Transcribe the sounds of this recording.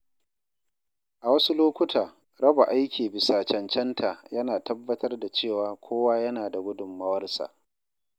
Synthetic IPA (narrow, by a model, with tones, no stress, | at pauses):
ʔa˨wɐ˦su˦loː˦kʷʊ˦tʰaː˨ | ɾɐ˦ba˨ʔa˦jkʲiː˨bɪ˨saː˨t͡ʃɐ˨nt͡ʃɛ˦ntʰa˨jɐ˦naː˨tɐ˦bːɐ˦tʰɐ˦rda˨t͡ʃeː˦˨waː˨kʷʰoː˦waː˦jɐ˦naː˨da˨ɡʷʊ˦dʊ˨mːɐ˦wɐ˦rsa̰˨ʔ